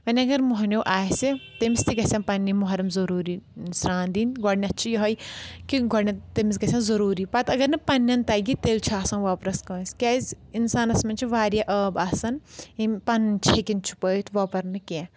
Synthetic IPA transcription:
pɐnʲiɐɡɐɾmoɦɐnʲoːʔaːjsit̪emist̪ʰiɡɐsʲɐ̃npɐnːimoɦɐɾɐmzɐɾuːɾinusɾaːnd̪iːnɡɔɽnʲɐtːt͡ʃʰijɐɦojkiɡɔɽnʲit̪emisɡɐsʲɐ̃nzɐɾuːɾiːpɐt̪ɐɡɐɾnɨpɐnːɐnt̪ɐɡit̪eːlt͡ʃʰuaːsɐ̃nʋaːpɾɐskɐːnsʲkʲaːzʲ | insaːnɐsmɐnt͡ʃʰiʋaːɾjaʔəːbaːsɐnipɐnt͡ʃʰekint͡ʃʰu̥pəːt̪ʰʋoːpɐɾnɨkʲẽ

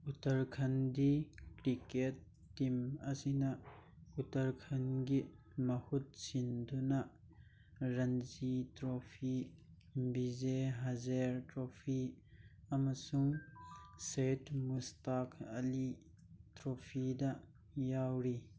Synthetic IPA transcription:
ʔut̪ɐrkʰɐndikɾiket̪ː | imasinaʔut̪ɐɾkʰɐnɡiʔ | mɐhut̪̚sindunaʔ | rɐnzit̪ɾɔpʰi | bizeɦazɛɾt̪ɾɔpʰi | amɐsʊŋ | sejt̪mustakʰɐli | t̪ɾɔpʰidaʔ | jawɾi

